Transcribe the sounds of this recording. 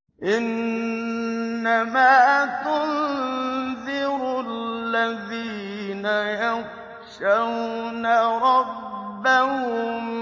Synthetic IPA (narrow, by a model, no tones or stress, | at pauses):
ʔɪn | amaːt̪ʊn | ðɪɾlːaðiːnajaɣ | ʃawnaɾˤɑbːahʊm